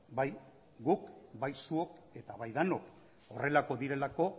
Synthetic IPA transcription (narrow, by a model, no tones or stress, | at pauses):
baj | ɡukbajsuo̞ke̞t̪aβajðano̞k | o̰re̞lako̞ðiɾe̞lako̞